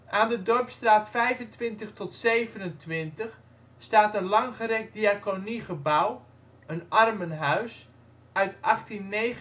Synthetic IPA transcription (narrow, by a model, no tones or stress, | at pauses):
ʔaːndədɔrpstraːtfɛjvəntʋɪntəχtɔtsejvənəntʰʋɪntəχ | staːtənlɑŋχəɾɛk̚diakoniχəbaw | ənɑrmənɦœɥs | œɥtʔɑχtinːej